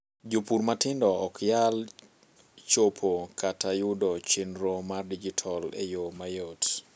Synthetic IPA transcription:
d͡ʒopuɾmatɪndɔɔkjal | t͡ʃopʰokʰatajʊdɔt͡ʃenɾomardid͡ʒitʰɔlḛjomajot

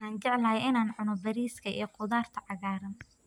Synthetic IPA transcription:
aːnt͡ʃɛʕlɐɦɛjɪnaːnʕʊnɔbɐɾiːskʰɐʔḭjqʊðaːrt̪ʰɐʕɑɣaːɾɐn

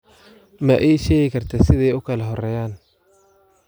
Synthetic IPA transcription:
mɐʔɛjʃɛːɣɪkʰɐrt̪ʰɐsɪðɛjʊkʰɐlɐɦɔrɛːjaːn

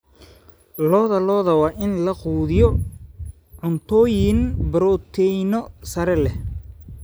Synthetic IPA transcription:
lɔːðɐlɔːðɐwɑːʔɪnlɐquːðɪjɔ | ʕʊnt̪ʰɔːjɪnbɐɾɔːt̪ʰɛjnɔsɐɾɛlɛ

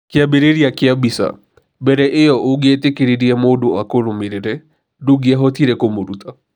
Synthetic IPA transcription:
kɪabeɾeɾiakɪabisa̰ | bɛɾɛʔɪjɔʔoɡɛtekeɾeɾiɛmodoakoɾomeɾeɾɛ | duɡiaɦɔtiɾɛkomoɾuta

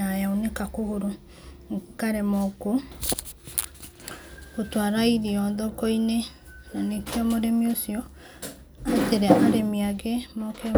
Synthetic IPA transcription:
najaonekakohoɾo | ŋkaɾemɔko | kotwaɾaiɾiɔðɔkoine | nanekjɔmoɾemiosiɔ | ateɾeʔaɾemiaɡemɔkɛ

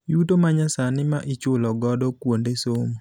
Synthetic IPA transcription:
jutomaɲasanɪmaʔɪt͡ʃʊlɔɡɔdɔkwondesom

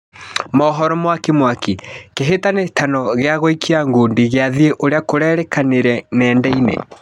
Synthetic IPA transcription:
mɔɦɔɾɔmwakemwakikeɦetanetʰanɔɣeaɣoikʰiaŋɡondiɣeaðieʔoɾeakoɾɛːɾɛkaneɾɛnɛːndɛinḛ

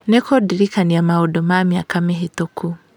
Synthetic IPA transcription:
nekʰodiɾikaniamaodomamiakameɦetokʰu

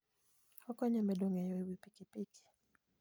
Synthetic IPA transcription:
hɔkɔɲɛmɛɗɔŋɛjɔiwipikipiki̥

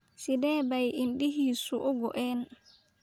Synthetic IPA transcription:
sidɛːbajʔinɗihisuʔɔɡɔ̰ʔɛn

